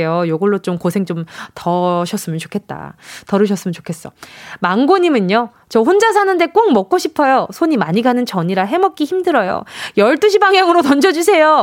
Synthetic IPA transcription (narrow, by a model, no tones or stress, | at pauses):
ejojoɡʌɭːot͡ɕomkosʰe̞ŋt͡ɕomtʌɕʰʌs͈ɯmjʌnt͡ɕokʰe̞t̚t͈a̰tʌɾɯɕʰʌs͈ɯmjʌnt͡ɕo̥kʰes͈ʌmaŋɡoɲimɯno | t͡ɕʌɸond͡ʑas̬ʰanɯnde̞k͈oŋmʌk̚k͈oɕʰipʰʌjosʰoɲimaɲiɡanɯnt͡ɕʌɲiɾaɦe̞mʌp̚k͈içimdɯɾʌjo̰jʌɭt͈ɯɕ̬ʰibaŋjaŋɯɾotʌnd͡ʑʌd͡ʑus̬ʰejo